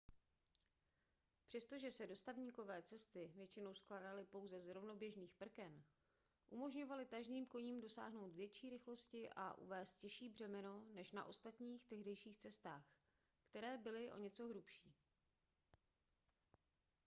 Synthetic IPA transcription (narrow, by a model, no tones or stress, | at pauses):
pr̝̥ɛst̪o̞ʒɛsɛdo̞st̪avɲiːko̞vɛːt͡sɛst̪ɪvjɛt͡ʃɪno̞wsklaːdalɪpo̞wzɛzɾo̞vno̞bjɛʒniːxpr̩kɛn | ʔumo̞ʒɲo̞valɪt̪aʒniːmko̞ɲiːmdo̞sa̰ːɦno̞wt̪vjɛt͡ʃiːɾɪxlo̞scɪʔa̰ʔṵvɛːst̪̚cɛʃiːbr̝ɛmɛno̞nɛʃna̰ʔo̞st̪at̪ɲiːxt̪ɛɦdɛjʃiːxt͡sɛst̪aːx | kt̪ɛɾɛːbɪlɪʔo̞̰ɲɛt͡so̞ɦɾupʃiː